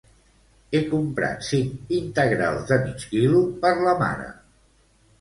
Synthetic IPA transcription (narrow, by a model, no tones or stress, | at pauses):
ekumpɾa̰t̪siŋint̪əɣɾa̰lˠzðəmit͡ʃkilupəɾləma̰ɾə̰